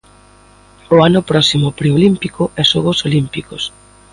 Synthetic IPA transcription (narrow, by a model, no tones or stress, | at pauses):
oanʊpɾɔsimʊpɾeolimpikʊɛsoɣosolimpikos